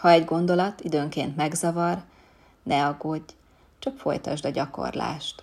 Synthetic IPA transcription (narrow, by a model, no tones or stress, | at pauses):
hɒɛɟɡo̞nd̪o̞lɒt̪id̪øːŋkeːnt̪mɛɡzɒvɒr | nʔɛɒɡoɟː | t͡ʃɒkfo̞̰jt̪ɒ̰ʒd̪ɒɟɒko̰rla̰ːʃt̪